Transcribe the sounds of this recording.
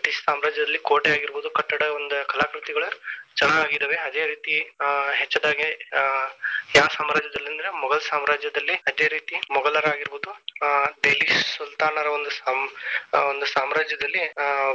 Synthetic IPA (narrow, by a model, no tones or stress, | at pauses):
ʈissaːmɾaːd͡ʒjɐd̪ɐlːikoːʈejaːɡiɾboːd̪ukɐʈːɐɽɐond̪ukɐlaːkɾut̪iɡɐɭɐt͡ʃɐnaaːɡid̪ɐʋeɐd̪e̞ːɾiːt̪iɦet͡ʃːɐd̪aːɡe | jaːsaːmɾaːd͡ʒɐd̪ɐlːɐnd̪ɾe̞mɔɡɐɭsaːmɾaːd͡ʒjɐd̪ɐlːiɐd̪e̞ːɾiːt̪imɔɡɐlɐɾaːɡiɾbuːd̪uɖeːlissult̪aːnɐɾɐond̪usa | ond̪usaːmɾaːd͡ʒjɐd̪ɐlːi